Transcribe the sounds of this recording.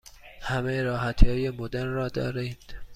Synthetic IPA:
hæmejeɾɒːɦæt̪ʰːɒːjemod̪eɾrɒːd̪ɒ̰ːɾind̪̥

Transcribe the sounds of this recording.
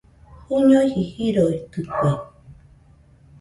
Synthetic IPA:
huɲojhihiɾoit̪ɨkʷe

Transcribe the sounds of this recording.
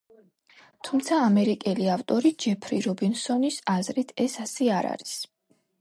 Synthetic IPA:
t̪ʰumt̪sʰaːmɛɾikʼɛliaft̪ʼɔɾid͡ʒɛpʰɾiɾɔbinsɔnisazɾit̪ʰɛsasɛaɾa̰ɾis

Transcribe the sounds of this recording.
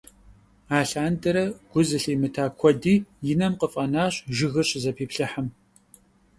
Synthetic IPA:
aːɬaːndɐɾɐɡ̥ʷʊzɨɬiːmɨtʰaːkʷʰɔdiːjɪnɐmqəfʼɐnaːɕʼʒɪɣɨrɕʼzɐpʰiːpɬɨħam

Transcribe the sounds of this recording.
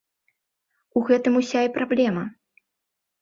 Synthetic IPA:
uɣɛt̪ɨmusʲaipɾablʲɛmɐ

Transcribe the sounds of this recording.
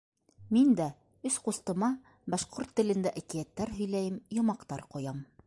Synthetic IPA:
mind̪æ | ɵsqust̪ɤ̆mɑ | bɑʃqoɾt̪ːɘ̆lɘ̆nd̪æʔækijæt̪ːæɾɦɵ̆jlæjɘmjŏmɑqt̪ɑɾqŏjɑm

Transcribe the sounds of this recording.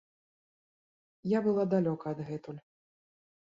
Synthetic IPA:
jabɨlˠad̪alʲɔkɐɐd̪ɣɛt̪ulʲ

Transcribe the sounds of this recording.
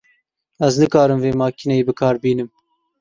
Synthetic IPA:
æznɨkɑːɾɨmveːmɑːkʰinejibɨkʰɑːɾbiːnɨm

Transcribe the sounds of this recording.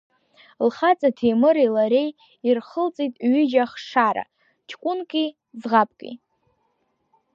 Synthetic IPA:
lχat͡sʼatʰejmɨɾilaɾe̞j | irχəlt͡sʼitʼɥɪd͡ʒaχʂaɾa̰ | t͡ʃʰkʷʼʊnkʼi | zʁapʰʼkʼḭ

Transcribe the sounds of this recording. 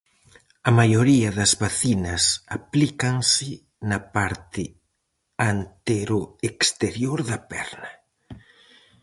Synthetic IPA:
ɐmajoɾiɐðɐzβaθinɐsaplikaŋsɪ | nɐpaɾt̪ɪ | ant̪eɾʊekst̪eɾjoɾðɐpɛ̰ɾnɐ

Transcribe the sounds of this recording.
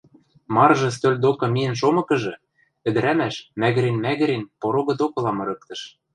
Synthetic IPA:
mɑrʒɤ̆s̬t̪ølʲd̪okɤ̆miɘ̆nʃ̬omɤ̆kɤ̆ʒɤ̆ | ɘ̆d̪ɘ̆ɾæmæʃmæɣɘ̆ɾenmæɣɘ̆ɾenpoɾoɣɤ̆d̪okɤ̆lɑmɤ̆ɾɤ̆k̚t̪ɤ̆ʃ

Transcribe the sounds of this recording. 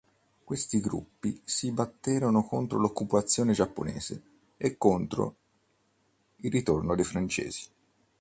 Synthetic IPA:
kwest̪iɡɾṵpːisibat̪ːeːɾonokont̪ɾo̰lokːupat̪sːjoːned͡ʒapːo̰nɛːz̥ḛ | ekːont̪ɾo̰ | ilrit̪ornod̪ejfɾant͡ʃɛ̰ːz̥i̥

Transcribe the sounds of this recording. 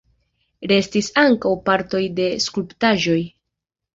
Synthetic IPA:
ɾe̞stisaŋkawpaɾto̞jde̞skulptaʒo̞j

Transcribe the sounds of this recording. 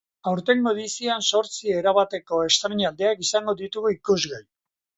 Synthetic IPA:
awɾt̪e̞nmoðisianso̞ɾt͡sie̞ɾaβat̪e̞ko̞e̞st̪ɾeɲald̪e̞akisaŋɡo̞ðit̪uɣuikuzɣaj

